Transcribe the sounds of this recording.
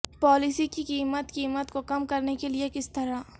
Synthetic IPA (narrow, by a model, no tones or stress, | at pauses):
pɔːlɪsikikiːmət̪kiːmət̪kokɐmkɐɾnekeliekɪst̪ɐɾa